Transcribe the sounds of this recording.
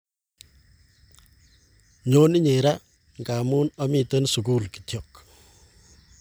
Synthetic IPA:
ɲoː˦ni˦ɲe˨ɾa | ŋɡa˨muː˦nɐ˦mit̪ənsu˨ku˦lki̥t̪jok

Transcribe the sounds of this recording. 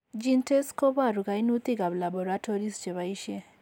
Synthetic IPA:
d͡ʒi˦nte˦sko˦ba˦ɾu˨ɡa˨inu˦t̪i˦ɡa˨bla˨bo˨ɾatʰo˦ɾi˦sd͡ʒɛ˨βa˨iʃje˦

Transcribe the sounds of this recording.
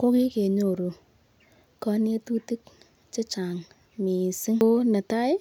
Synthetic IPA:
ko˦ki˦ke˨ɲo˨ɾu˨ | kɔ˦˧nje˦tu˦ti˦k̚ | t͡ʃe˦t͡ʃa˨ŋ | mi˨sɪ˦na˨ta˦ɪ˦

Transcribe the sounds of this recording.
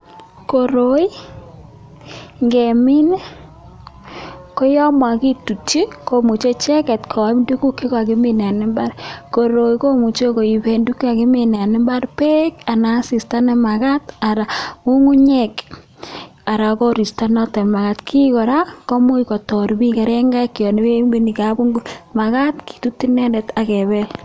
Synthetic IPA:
ko˨ɾo˨i˦ | ŋɡɛ˨mɪ˦n | kɔ˦jɔ˦mɔ˨a˨ki˦tu˨t͡ʃi˦ko˦mu˨t͡ʃe˦t͡ʃɛ˦kɛ˨tkʰɔ˨˦mdu˦ku˦ke˦ka˨ɡɪ˦mɪ˦n˨a˨nɛ˦mba˦ɾko˨ɾo˨jko˦mu˨t͡ʃo˦ko˨i˨be˨ndu˦ka˨ɡɪ˦mɪ˨n˨a˨nɛ˦mba˦ɾpe˦ka˨na˨si˨sta˦nɛ˦ma˨ka˦ta˨ɾa˨mu˦ŋu˦ɲɛ˦k | a˨ɾa˨ko˦ɾi˨sta˦nɔ˦tɛ˨ma˨ka˦tkʰi˦kɔ˨ɾa˦kɔ˦mu˦ikɔ˨tɔ˨ɾbi˦kɛ˨ɾɛ˦ŋɡa˦kːjɔ˨ni˦be˦mbi˦ni˨kabu˦ŋɡu˦ma˨ka˦tki̥˨tu˦tːi˦nɛ˦ndɛ˨ta˨kɛ˨bɛ˦l

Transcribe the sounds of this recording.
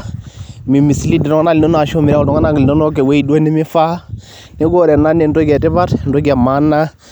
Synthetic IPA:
mi˨mi˨si˦li˦di˨ɾo˦ŋa˦na˦li˨o˦no˦a˨ʃo˦miɾa˦u˨do˨ŋa˦na˦ɡi˨li˨ndo˦no˦ke˨we˦i˨do˦ni˦mi˦fa˦ | ne˦ɡo˦˨ɾe˨na˦ne˨n˨do˦ɡe˨ti˦ba˦ɾn̩˨do˦ɡa˨ma˦nːa˦

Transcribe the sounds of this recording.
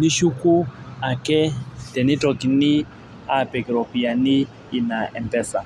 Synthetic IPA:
ni˦ʃu˦kʼu˦a˨kʼɛ˦d̥ɛ˨ni˦tʼɔ˨kʼi˨ni˦ | a˨pʼɛ˨kʼi˨ɾɔ˨pʼi˨a˨niː˦˨ | na˨ʔɛ˨mpɛ˦˨sa˨

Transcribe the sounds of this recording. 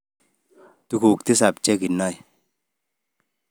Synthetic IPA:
tu˧ku˨k̚t̪i˦sa˨p̚t͡ʃe˦ki˨nːɔ˦˨j

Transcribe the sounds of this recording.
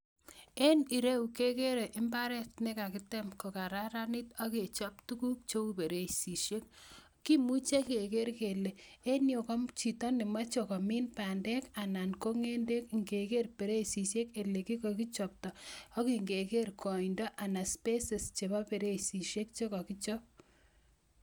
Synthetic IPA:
e˦ni˨ɾe˦u˨ke˦ke˦ɾe˨ʔɪ˦mba˦ɾɛ˦tne˦ka˨kɪ˦tɛ˦mko˨ka˨ɾa˦ɾa˦ni˦tɔ˦ke˨t͡ʃɔ˦ptu˦ku˦k̚t͡ʃo˦u˦pe˨ɾe˦si˨ʃe˦k̚ | ki˦mu˦t͡ʃe˦ke˨ke˦ɾke˨le˨e˦njo˨kɔ˦mt͡ʃi˨tɔ˦nɪ˨ma˦t͡ʃo˨kɔ˨mi˦npa˨ndɛ˦ka˨na˨nko˦ŋe˦nde˦kŋɡe˨ke˦rpe˨ɾe˦si˨ʃe˦ke˨le˨ki˦ko˨ki˦t͡ʃɔ˨p̚tɔ˨ɔ˦ki˨ŋɡe˨ke˦ɾkʰɔ˨i˨ndɔ˦ʔa˨na˨spe˦se˨st͡ʃe˨ba˦pe˨ɾe˦si˨ʃe˦k̚t͡ʃo˦kɔ˨ki˦t͡ʃɔ˦p̚

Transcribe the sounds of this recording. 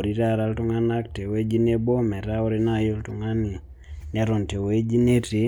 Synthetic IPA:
ɾi˨ɾa˦ɾa˦ltu˦ŋa˦na˦k̚te˨we˦d͡ʒi˦ne˦bo˦mɛ˨ɾa˦o˦ɾe˦najo˦ltu˨ŋa˦ni˨ | na˦ɾo˨nte˨we˦d͡ʒi˦ne˦ti˨

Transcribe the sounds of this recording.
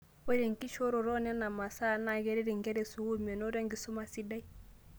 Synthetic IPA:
o˦ɾe˨ŋki˦ʃo˦ɾo˨ɾo˦nɛ˦na˨ma˨sa˦˨na˨ɡɛ˦ɾɛ˦ɾi˨ŋɡɛ˦ɾɛ˨su˦hu˦me˨no˦ɾe˦ŋɡi˨su˦ma˨si˦da˦i˦

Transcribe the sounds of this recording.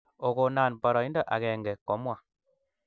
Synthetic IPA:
o˨ɡo˨naː˨nbɔ˨ɾɔ˨i˦ndɔ˦ʔa̰˨kɛ˨ŋɡɛ˨kɔ˨˦mwa˨

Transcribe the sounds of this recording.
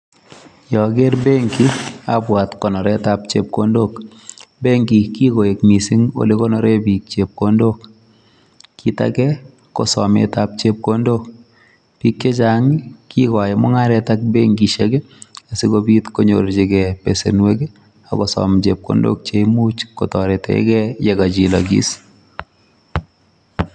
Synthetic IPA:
jɔ˨ɡe˦ɾbe˦ŋki˦a̰pwa˨tkɔ˨nɔ˨ɾɛ˦ta˨p̚t͡ʃḛ˨p̚ko˦ndo˦k | be˦ŋki˨ki˦ko˨je˨kmi˨si˦ŋo̰˦le˦kɔ˦nɔ˨ɾe˦bi˨k̚t͡ʃe˨p̚ko˦ndo˦kː | i˨ta̰˨kɛ˦ | kɔ̰˨sɔ̰˨mḛta˦p̚t͡ʃe˦p̚ko˦ndo˦k | b̥i˦kːe˦t͡ʃa˨ŋɪ˦ki˦kɔ˨jɛ˨mʊ˦ŋa˦ɾɛta˦k̚be˦ŋɡi˨ʃe˦ke˦ | a˨si˦ko˦bi˦t̪ko˦ɲo˨ɾd͡ʒe˦ɡɛ˨pḛ˨sḛ˨nwe˦ɡe˦ | a̰˨kɔ˨sɔ̰˨mt͡ʃe˨p̚ko̰˦ndo̰˦k̚t͡ʃe˦imu˦t͡ʃkɔ˨tɔ˨ɾe˨tɛ̰˨ɪ̰˦kɛ˦je˨ɡa˨d͡ʒi˨lɔ˨ɡḭ˦s

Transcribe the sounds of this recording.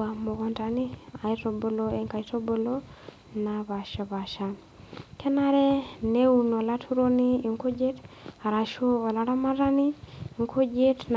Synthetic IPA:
a˨mo˨ɣɔ˨nta˨ni˦a˨i˦to˨bo˨lo˦e˨ŋka˨i˦to˦bo˨lo˦ | na˨βa˨ʃa˨βa˨ʃa˨ | kɛ˦na˦ɾɛ˦ne˦u˨nɔ˨la˦tʰu˦ɾo˦niː˦˨ŋko˦d͡ʒe˦ta˨ɾa˨ʃo˦ɔ˨la˨˦ɾa˦ma˦ɾa˦ni˦˨ŋkʰo˦d͡ʒe˦tn

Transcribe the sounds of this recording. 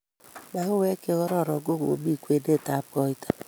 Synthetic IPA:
na˨ɦʊ˦we˦ke˦ɣɔ˦ɾɔ˦˨ɾɔ˨ɡo˦ɣo̰˨bi˦˨kʷe˦de˦˨ta˨˦pɔ˦i˦ta˦

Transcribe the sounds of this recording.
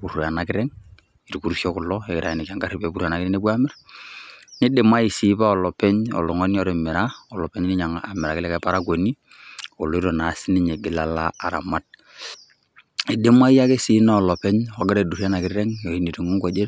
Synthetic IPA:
ku˨ɾa˨na˨kɪ˦ɾɛ˦ŋ | i˨ɾku˦ɾsjo˦kʊ˨lɔ˦e˨kɪ˨ɾa˨i˨ne˨ka˦ŋɡa˦ri˨pe˨pu˦ɾa˨na˨kɪnɛ˦ne˦bwa˦mɪ˦r | nɪ˦dɪ˨ma˦i˨si˦pa˦ɔ˨lɔ˨pɛ˦ɲɔ̰˨lɔ˨ŋɔ˦njɔ˦ɾe˨mɪ˨ɾa˦ɔ˨lɔ˨pɛ˦ɲnɪ˦ɲa˨ŋa̰˨mɪ˨ɾa˨kɪ˦lɛ˦ka˨pa˦ɾa˦ko˨ni˦ | o˨lo˨˦i˦ɾo˨na˨sɪ˦nɪ˦ɲe˨ɡɪ˨la˨laː˦˨ɾa̰˨ma˦t̚ | i˨dɪ˦ma˦i˦ja˦ke˦si˦na˦ɔ˨lɔ˨pɛ˦ɲɔ˨ɡɪ˦ɾe˨du˨ra˦na˨kɪɾɛ˦ŋjo˨i˦ni˨ɾi˨ŋo˦ŋko˨˦d͡ʒe˦

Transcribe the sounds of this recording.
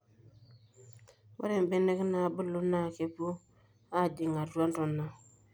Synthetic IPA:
wʔa̰˦ɾe˨m˨be˦ne˦kna˨bu˦lu˦na˦˨ke˨bu˦ | a˦˨d͡ʒi˨ŋa˨dwa˦n˦tɔ˨na˨

